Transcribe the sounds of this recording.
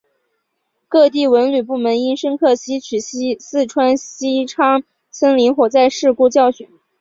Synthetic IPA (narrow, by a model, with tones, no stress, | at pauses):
kɤ˥˧t̪i˥˩wə˧˥nly˨˩p̬u˥˩mə˧˥ni˥nʂə˥nkʰɤ˥˩ɕi˥t͡ɕʰy˨˩ɕsɹ̩˥˩ʈ͡ʂʰwa˥nɕi˥ʈ͡ʂʰɑ˥ŋ | sʰə˥ŋli˧˥ŋxwɔ˨˩t͡sa˥˧ɪʂɻ̩˥˧ku˥˧t͡ɕjɑ˥˩ʊɕy˨˩˥n